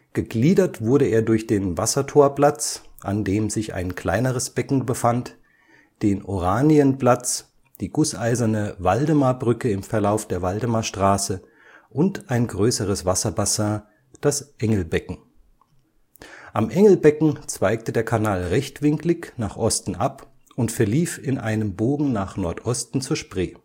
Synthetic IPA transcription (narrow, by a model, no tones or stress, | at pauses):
ɡ̥əɡliːdɐtv̥ʊɐɾəeːɐdʊɐçd̥eːnvasɐtʰoːɐplat͡sʔa̰ndeːmzɪça̰ɪnkʰl̥aɪnəʁ̞əsb̥ɛkŋ̩bəfant | d̥eːnʔoʁaːniənplat͡s | d̥iːɡʊsʔaɪzɐnəvaldəmabʁʏkəɪmfɛɐlaʊfd̥eːɐvaldəmaʃtʁ̥aːsə | ʔʊntʔaɪnɡʁøːsəʁəsv̥asɐbasãː | d̥asʔɛŋl̩bɛkŋ̩ | ʔamʔɛŋl̩bɛkŋ̩t͡sv̥aɪk̚tədeːɐkʰanaːlʁɛçtv̥ɪŋklɪçnaːχʔɔstn̩ʔap | ʔʊntfɛɐliːfɪnʔaɪnəmboːɡŋ̩naːχnɔɐtʔɔstn̩t͡suːɐʃpʁ̥eː